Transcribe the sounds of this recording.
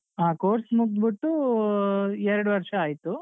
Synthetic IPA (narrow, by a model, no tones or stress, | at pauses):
aːkoːɾsmuk̚t̪biʈːu | ɛɾɐɽuʋɐɾʂɐaːjt̪ːu